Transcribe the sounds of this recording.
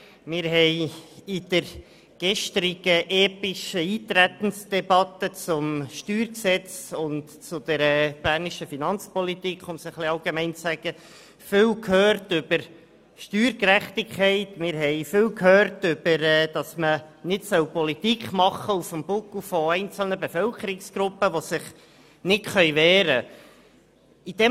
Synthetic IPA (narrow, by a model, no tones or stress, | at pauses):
mɪːɾɦɛɪid̥əɾ | ɡ̥ɛʃt̪ɾɪɡ̥əʔɛːpɪʃəiːt̪ɾæt̪ən̩sd̥ɛbɑt̪ət͡sʊmʃtyːɾksɛt͡sʊnt | t͡sʊd̪ɛɾɛb̥æːɾniʃəfinɑnt͡spɔlitikχʊmsəχliɑlɡemɛɪnt͡ssæɡ̥ə | fɪlkʰhøːɾtʏb̥əɾ | ʃtyːɾkɾæχtɪkχɛɪtmɪːɾɦɛɪfɪlkhøːɾtʏb̥əɾɛːd̥ɑsmənɪtsœwpɔlit̪ikχmɑχːəufəmb̥ʊkufɔɛɪnt͡sl̩nəbefœlkʰəɾɪksɡ̥ɾʊpːəʋɔsɪχ | nɪtχœjʋɛːɾə | id̥ɛ